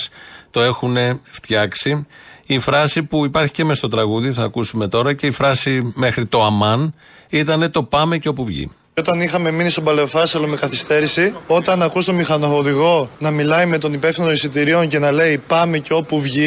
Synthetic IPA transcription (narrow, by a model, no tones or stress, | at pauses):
st̪o̞e̞xune̞ft̪çɐksiːfɾɐsipuipɐɾçi̥ce̞mest̪o̞t̪ɾɐɣuðiθɐːkusume̞t̪o̞ɾɐce̞ifɾɐsime̞xɾit̪o̞ɐmɐn | it̪ɐne̞t̪o̞pɐmeceo̞puvʝḭ | o̞t̪ɐnixɐme̞minist̪o̞bɐle̞ofɐsɐlome̞kɐθist̪e̞ɾisio̞t̪ɐnɐkust̪o̞mixɐnooðiɣo̞nɐmilɐjme̞t̪o̞nipe̞fθinoisit̪iɾio̞nce̞nɐle̞ipɐmeceo̞puvʝi